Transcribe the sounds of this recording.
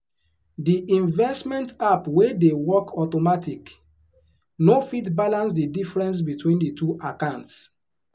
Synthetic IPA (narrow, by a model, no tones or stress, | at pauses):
diʔĩnvɛstmɛ̃ntapwedewɔkʰɔtomatʰik | nofitbalãnsdidifɹɛ̃ns̬bitʰwĩnditʰuʔakãʊ̃nts